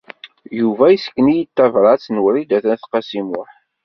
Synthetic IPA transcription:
juvæjisə̥kːnijit̪ːævɾˤɑt͡snwɾid̪æθænθqɑsimʊħ

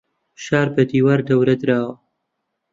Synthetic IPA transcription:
ʃaːɾbɐd̪iːwaːɾd̪ɐwɾɐd̪ɨɾaːwɐ

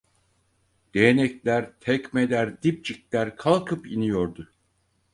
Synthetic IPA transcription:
d̪̥ejenɛclʲæɾt̪ʰɛcmed̪ʲæɾd̪ip̚t͡ʃiklʲæɾkʰalˠkʰɯpinijo̞ɾd̪ʊ

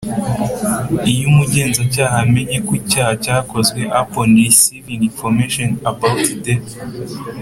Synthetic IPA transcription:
ijumuɟe̞ːnzacaːɦame̞ɲekucaːhacaːko̞zwe̞ʔaponisijunifomeʃonabawtde

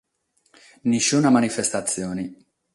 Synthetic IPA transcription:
niʃunamanifest̪at̪sːjoːni

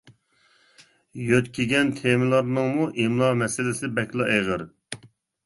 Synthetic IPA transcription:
jøt̪kʲʰeɡʲɛnt̪ʰemɪlˠɑɾnɨŋmuʔimlˠɑmɛsɪlɪsɪbɛkʲlˠɑʔeʁəɾ

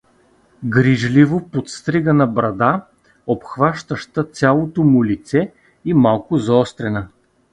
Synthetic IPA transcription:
ɡɾiʒlivopot̪st̪ɾiɡənɐbɾɐd̪a | opxvaʃt̪əʃt̪ət̪sʲalˠot̪omʊlit̪sɛ | imalˠkʊzɔst̪ɾɛnɐ

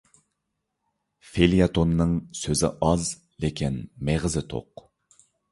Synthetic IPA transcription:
felijɑt̪ʰonːɨŋsøzɪ̰ʔɑz | lekʲʰinmeʁɨzɪt̪ʰo̰q

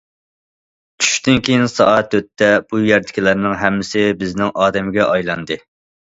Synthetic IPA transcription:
t͡ʃʰy̥ʃt̪ɪnkʲʰejɪnsɑɑt̪ːøt̪ʰːɛb̥ujɛɾd̪ɪ̥kʲilæɾnɪŋɦɛmːɪsɪbɪznɪŋʔɑːd̪ɛmɪɡʲɛʔɑjlˠɑnd̪ɨ

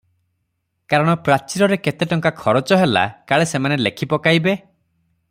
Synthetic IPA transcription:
kaɾɔɽ̃ɔpɾat͡ʃiɾɔɾeket̪eʈɔŋkakʰɔɾɔt͡ʃɔɦela̰kaɭesemanelekʰipɔkajbe

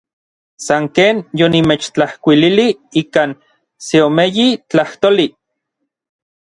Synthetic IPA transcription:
saŋkeːnjonimet͡ʃt͡ɬahkʷililiiːkaːn | seomejit͡ɬaht̪oli

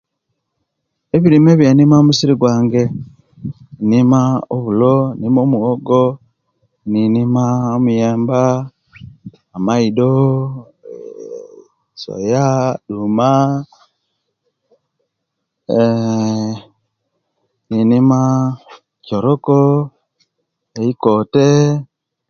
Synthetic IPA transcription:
eβiɾimeβjanimaomusiɾiɡwaːŋɡe̞ | nimaoβulonimo̞ːmuɣoɡo | ninimaomujeːmba | maido | so̰jaɗuma | ninima | cɔɾɔkɔ | eikɔte

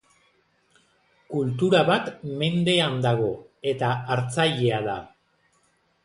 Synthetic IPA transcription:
kult̪̬uɾaβat̪me̞nd̪e̞and̪aɣ̞o̞e̞t̪aːɾt͡saʎe̞aða̰

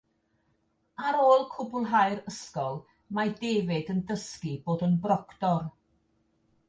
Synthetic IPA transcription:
aɾoːlˠkʰʊbʊlˠɦajɾəskɔlˠ | madeːvɪdəndəskiboːdənbrɔkdɔr

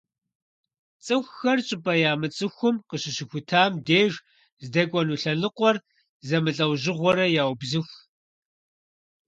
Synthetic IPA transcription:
t͡sʼɨxʷːɐrɕʼɪpʼɐjaːmɨt͡sʼɨxʷʊmqəɕɪɕɪxʷʊtʰaːmdeːʒ | zdɐkʷʼɔnuːɬɐnɨqʷɔr | zɐmɨɬʼɐwʑɪʁʷɔɾɐjaːwbzɨxʷ

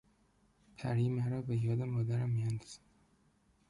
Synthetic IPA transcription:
pʰæɾiːmæɾɒːbejɒːd̪emɒːd̪æɾæmːijænd̪ɒz̥æ

